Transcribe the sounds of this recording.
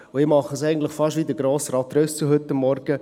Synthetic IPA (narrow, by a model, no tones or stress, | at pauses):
ʊɪmɑχəs̬ɛɪɡən̩t̪ləχfɑʃtʋiːd̪əɡɾoːsɾɑt̪ɾøst͡səɦʏt̪ːɑmːɔɾɡə